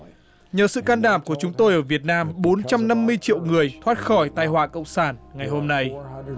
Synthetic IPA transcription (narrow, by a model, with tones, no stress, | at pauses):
ɲəː˨˩sɨ̰˧˨kaː˧nɗaː˧˩mku˧˩ət͡ɕʊ˨˦ŋ͡mt̪o˧jʔəː˧˩vi˨˩ət̚naː˧mɓo˨˦nt͡ɕa˧mna˧mːɨ˧əjt͡ɕḭ˧˨wŋɨ˨˩əjt̪ʰwaː˦˥t̚xɔ˧˩jt̪aː˧jhwaː˧˨kə̰˧˨wŋ͡msaː˧˩nŋa˨˩jɦo˧mna˧j